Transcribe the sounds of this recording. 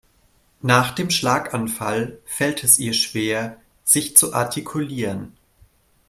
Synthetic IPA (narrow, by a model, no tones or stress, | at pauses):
naːχd̥eːmʃlaːkanfalfɛltʰɛsiːɐʃv̥eːɐ | z̥ɪçt͡suʔa̰ɐtʰikʰuliːʁən